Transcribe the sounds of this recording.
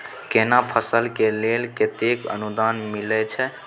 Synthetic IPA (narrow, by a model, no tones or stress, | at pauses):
kenapʰəsəlkelelket̪ekə̰nud̪anmilɛt͡ʃʰɛ